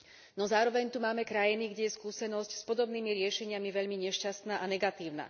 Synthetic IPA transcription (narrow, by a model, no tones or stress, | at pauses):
nɔzaːɾɔʋɛɲt̪umaːmɛkɾajiniɡɟɛjɛskuːsɛnɔscspɔd̪ɔbniːmiɾɪɛʃɛɲɪamiʋɛʎmiɲɛʃcast̪naːʔanɛɡat̪iːʊna̰